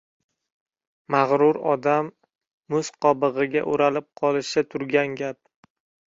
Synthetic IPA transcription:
maʁɾʊɾɒd̪amː | ʊsqʰɒbɨʁɨɡʲaʔʊɾalɪp̚qʰɒlˠɪʃɪt̪ʰʊɾɡʲanɡʲap̚

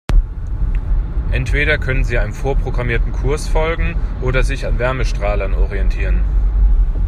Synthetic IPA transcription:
ʔɛntv̥eːɾɐkʰœnənziːaɪnənfoːɐpʁ̥oɡʁamiːɐtn̩kʰʊɐsfɔlɡŋ̩ʔoːdɐzɪçanvɛɐməʃtʁ̥aːlɐnɔʁiɛntʰiːʁən

